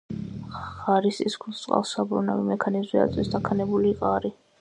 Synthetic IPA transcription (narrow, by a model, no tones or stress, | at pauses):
aɾisḭskʰut̪sʼqʼa̰lˠsabɾunavimɛkʰanizzia̰t̪sʼwisd̪akʰanɛbuliqʼaɾi